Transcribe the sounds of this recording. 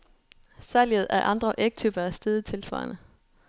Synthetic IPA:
sæliəð̞̩ˠæʔɑ̈nd̥ʁɐʔeɡ̥̚t͡sʰyb̥ɐæsd̥eðˠt͡sʰe̝lsʋɑ̰̈ːnə

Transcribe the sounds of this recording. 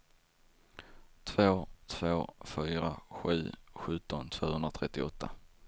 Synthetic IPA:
t̪ʰvoːt̪ʰv̥oːfyːɾa̰ɧʉ̟ːɧɵt̪ɔnt̪ʰv̥oːhɵnd̪ɾat̪ʰɾɛt̪ːɪɔt̪ʰːa

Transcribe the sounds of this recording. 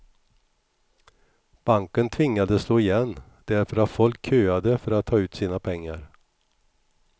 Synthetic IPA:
b̥aŋkənt̪ʰvɪŋːad̪əsloːɪjɛnː | d̪̥æɾfœɾat̪fɔlkʰːøːad̪əfœɾat̪ʰːɑːʉ̟ːt̪siːnapʰɛŋːa̰ɾ

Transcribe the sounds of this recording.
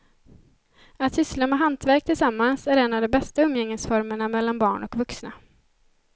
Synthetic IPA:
at̪hʏslamɛːɦant̪væɾk̚t̪ʰɪlsamːansæɾɛnːavd̪ɔmbɛst̪aɵmːjɛŋːəsfɔɾməɳamɛlːanbɑːɳɔkvɵksna

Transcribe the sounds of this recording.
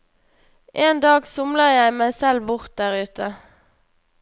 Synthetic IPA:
ʔeːnd̪ɑːɡsʊmləʁjæɪmæɪsɛlbʊʁt̪̚d̪æʁʉːt̪ʰə

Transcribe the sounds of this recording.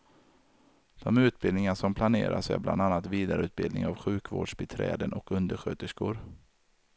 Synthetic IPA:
d̪̥ɔmʉ̟ːt̪̚bɪlnɪŋaʂɔmpʰlaneːɾa̰sæ̰ɾblʔa̰nd̪anːat̪viːd̪aɾəʉ̟ːt̪̚bɪld̪nɪ̰ŋavɧʉ̟ːkvo̰ːɖʂbɛt̪ʰɾɛ̰ːd̪ənʔɔkɵnd̪əɾɧøːt̪əʂkʊɾ

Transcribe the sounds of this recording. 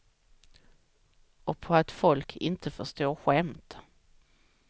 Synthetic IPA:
ɔpʰɔat̪fɔlkʰɪ̰nt̪ʰəfœʂt̪oːɾɧɛmt̪

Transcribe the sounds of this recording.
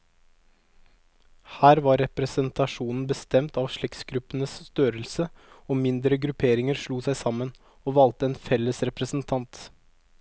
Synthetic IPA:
hæːɾʋɑɾɛpɾəsənt̪ʰɑʂuːnn̩bəst̪ɛmt̪ɑʋʂɭɛksɡɾʉpːənəsst̪øːɾəlsə | oːmɪnd̪ɾəɡɾʉpʰeːɾɪŋəɾʂɭuːsæɪsɑmən | oːʋɑlt̪əeːnfɛlːəsɾɛpɾəsn̩t̪ʰɑnt̪

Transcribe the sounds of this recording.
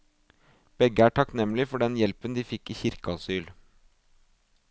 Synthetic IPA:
b̥ɛɡəæːʈʰɑknɛmlɪfɔɖɛnjɛlpənd̪iːfɪkːiːçɪɾkəɑsyːl

